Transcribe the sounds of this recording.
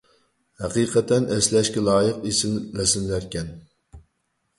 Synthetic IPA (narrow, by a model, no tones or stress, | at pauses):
hæqiːqʰɛt̪ʰɛnɛslɛʃkʲɛlˠɑːjəqesɪnlɛsɪnlæɾkʲɛn